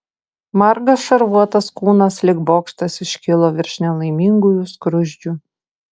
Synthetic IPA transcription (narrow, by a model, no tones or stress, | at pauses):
mɐɾɡɐsʃɐɾʋuɔt̪ɐskuːnɐslʲɪɡboːkʃt̪ɐsɪʃʲkʲɪlˠoːʋʲɪɾʲʃʲnʲɛlˠɐɪmʲiŋɡʊjʊskɾʊʒʲd͡ʒʲʊ